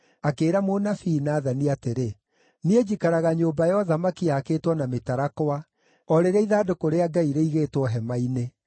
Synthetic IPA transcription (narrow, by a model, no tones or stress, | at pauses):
akeːɾamonafiːnaːðaniateɾe | nied͡ʑikaɾaɣaɲoːbajɔðamakiaːkeːtwɔnametaɾakoa | ɔɾeɾɛiðaːdokoɾeaɡaiɾeiɣeːtwɔɦɛmaine